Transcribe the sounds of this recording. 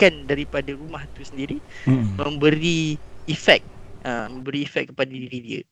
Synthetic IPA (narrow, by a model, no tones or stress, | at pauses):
kandaɾipadaɾumaht̪usəndiɾimə̃mbəɾiifɛk̚əmə̃mbəɾiːfɛk̚kːəpadadiɾidiə̰